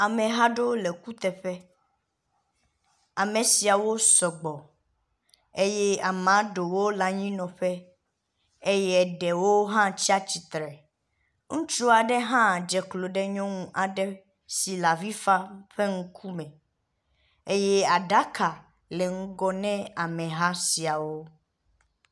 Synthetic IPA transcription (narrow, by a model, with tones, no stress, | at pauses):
a˨mẽ˨ɦa˦ɖo˦le˨ku˦t̪ɛ˨ɸɛ˦ | a˨mẽ˨si˨a˨wo˦sɔ˨ɡ͡bɔ˨ | e˦jɛ˦a˨mã˨˦ɖo˨wo˦la˨ɲĩ˦nɔ̃˨ɸɛ˦ | e˦jɛ˦˨ɖɛ˨wo˦ɦã˦t͡ɕi˦a˦t͡ɕi˨t̪ɾɛ˨ | ŋũ˦t͡ʃɾu˦a˨ɖɛ˦ɦã˦˨d͡ʒɛ˨klo˨ɖɛ˦ɲɔ̃˦ŋũ˦ʔa˨ɖɛ˦ | si˨la˨vi˦fa˦ɸe˦ŋũ˦kʰu˦mɛ̃˨ | e˦jɛ˦a˨ɖa˦ka˨ | le˨ŋ̩̃˦ɡɔ˦nɛ̃˦a˨mɛ̃˨ɦa˦si˨a˨wo˦